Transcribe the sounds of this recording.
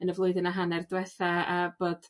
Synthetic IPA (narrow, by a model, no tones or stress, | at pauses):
ənəvlˠoɨðənaɦanɛrdwɛθaab̥oːd̥